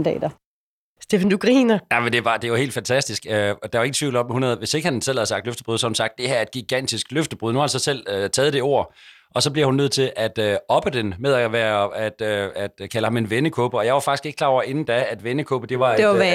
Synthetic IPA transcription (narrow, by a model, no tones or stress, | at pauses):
nd̥ɛ̰ːdɐ | sd̥efn̩d̥uɡ̥ʁiːnɐæmənd̥e̝ʋɑ̈d̥e̝ʋɑ̈hḛːld̥fænt͡sʰæsd̥isɡ̥øɒd̥ɑ̈ʋɑ̈e̝ɡ̥t͡sʰʋḭʊ̰l̩ɒ̽mhunhæðˠʋe̝se̝ɡ̥əhænsel̰hæð̞̩ˠsɑɡ̥̚d̥løfd̥əb̥ʁuðˠsɒhunsɑ̈ɡ̥̚d̥e̝hæɐe̝d̥ɡ̥iɡ̥æn̰d̥isɡ̥løfd̥əb̥ʁuð̞ˠnuhɑ̈d̥esɑ̽sel̰øt͡sʰɛːð̞̩ˠd̥e̝o̝ɐ̰ | ʔɒ̽sɒ̽b̥liɐhunːøð̞̰ˠt͡sʰe̝lʔæd̥øɒ̽b̥əd̥enmeðˠæʋæɐæd̥øæd̥kʰæləhɑ̈me̝nʋenəkʰɔb̥əɒ̽jɑ̈ɪʋɑ̈fɑɡ̥isɡ̥eɡ̥əkʰlɑ̈ːɒ̰ɐe̝nn̩d̥ææd̥ʋenəkʰɔ̽ːb̥əd̥e̝ʋɑ̈